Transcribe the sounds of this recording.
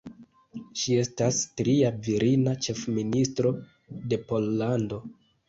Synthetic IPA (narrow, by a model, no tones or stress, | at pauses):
ʃie̞stastɾiaviɾinat͡ʃe̞fministɾo̞ | de̞po̞lːando̞